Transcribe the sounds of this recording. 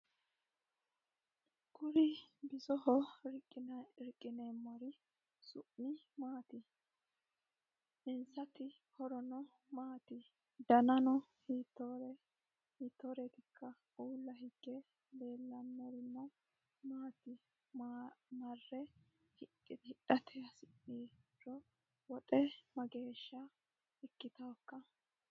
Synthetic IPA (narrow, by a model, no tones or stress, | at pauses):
ɡʊɾɪbɪzɔhɔɾɪkʼːɪnɾɪkʼːɪneːmːɐɾɪ | sʊʔnɪ | maːt̪ɪ | ɪnsɐt̪ːɪ | hɔɾɔnɔ | maːt̪ɪ | d̪ɐnɐnɔhit̪ːɔɾ | hiːt̪ːɔɾɛt̪ɪkʰːɐ | uːlːɐhɪɡ̥ːɛ | beːlːɐnːɛɾɪnːɔ | maːt̪ɪ | mɐrːɛ | hɪ | ɪhɪɗɐt̪ʰɛjɐsɪʔːiːɾɔ | wɔt̪ʼɛmɐɡeːʃːɐ | ɛkːɪt̪ɐwkːɐ